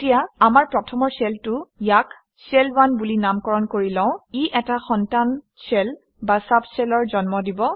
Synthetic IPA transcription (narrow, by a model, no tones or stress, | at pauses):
tijaamaɹpɹɔtʰɔmɔɹsɛltʊjak | sɛlwanbulinamkɔɹɔnkoɹilɔ̃ʊ̃iʔɛtaxɔntan | sɛl | basabsɛlɔɹzɔnmɔdibɔ